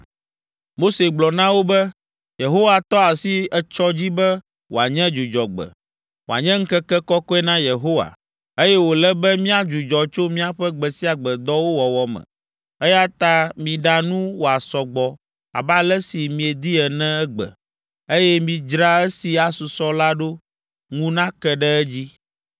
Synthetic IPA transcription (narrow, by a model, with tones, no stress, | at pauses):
mo˦se˨ɡ͡blɔ˨nã˦wo˦bɛ˦ | je˨ɦo˦wa˨t̪ɔ˦a˨si˦ɛ˨t͡ʃɔ˦d͡ʑi˦bɛ˦ | wo̰˨a˨ɲɛ̃˦d͡ʒu˨d͡ʒɔ˨ɡ͡bɛ̰˨ | wo˨a̰˨ɲɛ̃˦ŋ̩˦kɛ˦kɛ˦kɔ˦kɔ˦ɛ˦nã˦je˨ɦo˦wa̰˨ | e˦jɛ˦wo˨lɛ˦bɛ˦mĩ˦a˨d͡ʒu˨d͡ʒɔ˨t͡ʃo˦mĩ˦a˨ɸɛ˦ɡ͡bɛ˨si˦a˨ɡ͡bɛ˨d̪ɔ˦wo˦wɔ˨wɔ˨mɛ̰̃˨ | ɛ˦ja˦t̪a˦mĩ˨ɖa˨nũ˦wo˨a˨sɔ˨ɡ͡bɔ˨ | a̰˨ba˦lɛ˦si˨mĩ˨e˨d̪i˦ɛ˨nɛ̃˦ɛ˦ɡ͡bɛ̰˨ | e˦jɛ˦mĩ˨d͡ʒɾa˦ɛ˦si˨a˨su˨sɔ˦la˦ɖo˦ | ŋũ˦nã˦kɛ˦ɖɛ˦ɛ˦d͡ʑi˦